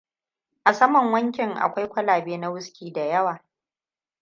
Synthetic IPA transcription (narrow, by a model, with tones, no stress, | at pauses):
ʔa˨sɐ˦mɔ˨ŋwɐ˦ŋkʲɪ˨ŋʔa̰˨kʷa˦jkʷɐ˦laː˨beː˦na˦wʊ˦skʲiː˨da˨jɐ˦waː˨